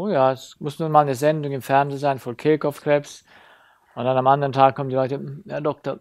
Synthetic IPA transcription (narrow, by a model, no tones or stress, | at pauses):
ʔoːjaːɛsmʊsnuːnmaːlnəzɛndʊŋɪmfɛɐnzeːnzaɪnfɔlkʰɛlkɔfkʁ̥ɛps | ʔʊntd̥anamandəʁəntʰaːkkʰːɔməndilɔʏtəjaːdɔk̚tɐ